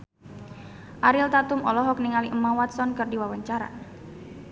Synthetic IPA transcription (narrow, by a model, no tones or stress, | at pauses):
ʔaɾilt̪at̪umɔlɔɦɔk̚niŋaliʔəmawat̪sɔnkɨrdiwawaɲt͡ʃaɾa̰